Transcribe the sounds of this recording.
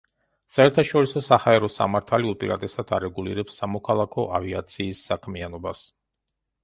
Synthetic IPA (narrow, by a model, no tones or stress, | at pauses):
saɛɾt̪ʰaʃɔɾisɔsahaɛɾɔsa̰maɾt̪ʰaliupʼḭɾat̪ʼɛsad̪ʰaɾɛɡuliɾɛpsːamɔkʰalˠakʰɔʔavia̰t̪sʰiːsːakʰmianɔbas